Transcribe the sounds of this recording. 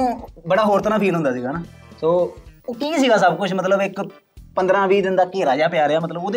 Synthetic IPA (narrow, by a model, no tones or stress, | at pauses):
bəɽaːɦoːɾt̪əɾaːpʰiːlɦʊ̃nd̪aːsiːɡaːnaːsoːoːkiːsiːɡaːsəbkʊt͡ʃʰmət̪ləbɪk | pənd̪ɾãːʋiːd̪ɪnd̪aːkeːɾaːd͡ʒaːpɪjaːɾɪjaːmət̪ləboːd̪e